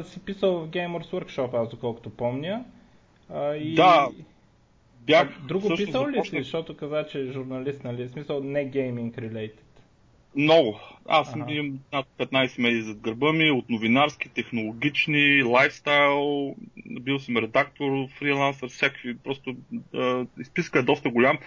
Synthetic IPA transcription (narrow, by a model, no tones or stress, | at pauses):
sipisəlˠvɐfɡɛjmoɾswəɾkʃɔpazd̪okɔlˠko̥t̪opɔmnʲə | əid̪a | bjaxd̪ɾusɡoəʃpisəlˠlisiʃt̪ɔt̪ʊkɐzat͡ʃɛʒʊɾnɐlist̪nɐlismisəlˠnɛɡɛjmiŋkɾilɛjt̪i̥t̪ | mnɔɡʊa̰sminat̪̚pɛt̪najsɛmɛd̪izɐd̪̚ɡəɾbəmiot̪novinaɾskit̪ɛxnolˠoɡʲit͡ʃnilˠajfst̪ajlˠbilˠsəmɾɛd̪akt̪oɾfɾilˠansəɾfsʲakvipɾɔst̪oəispiskəɛd̪ɔs̬t̪əɡʊlʲam